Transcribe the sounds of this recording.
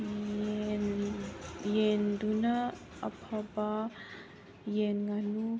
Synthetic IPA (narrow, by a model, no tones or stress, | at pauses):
jɛnd̪una | apʰaba | jɛnŋanu